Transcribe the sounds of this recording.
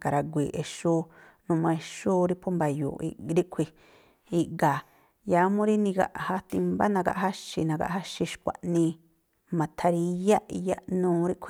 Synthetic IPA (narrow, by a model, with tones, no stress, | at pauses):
ka˨ɾa˧ɡʷi˨ʔe˨˧ʃu˦ | nũ˧mã˧e˧ʃu˦ɾi˦pʰu˦mba˧jṵ˨ḭ˧ɾi˦ʔkʷʰi˧ | i˧ʔɡa˨ | ja˧mũ˦ɾi˦nĩ˧ɡa̰˧ʔha˧t̪i˧mba̰˦nã˧ɡa̰˧ʔha˦ʃi˧nã˧ɡa̰˧ʔha˦ʃi˧ʃkʷa̰˨ʔnĩ˧ | mã˨t̪ʰa˧ɾi˧ja˦ʔja˦ʔnũː˧ɾi˦ʔkʷʰi˧